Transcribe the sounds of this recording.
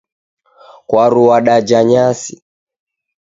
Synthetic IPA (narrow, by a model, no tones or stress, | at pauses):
kwaɾuwaɗad͡ʒaɲasi